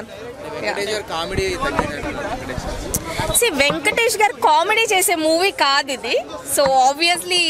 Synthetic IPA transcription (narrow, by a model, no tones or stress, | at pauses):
jaɐ̰ʈeʃɡaːɾkaːmeɽit̪ɐnːiɐɐnʋeŋkɐʈeʃ | siːʋeŋkɐʈeːʃɡaːɾkaːmeɖiːt͡ʃeːseːmuːʋiːkaːd̪id̪isoːaːbʋiɐsli